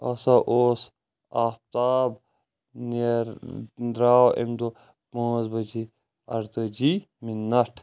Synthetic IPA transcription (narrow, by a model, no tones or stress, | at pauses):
ɐsaʔoːs | aːft̪aːb | niɾd̪ɾaːwʔḛmd̪o | põːzbɐd͡ʒi | ɐɾt̪əd͡ʒi | minːɐʈʰ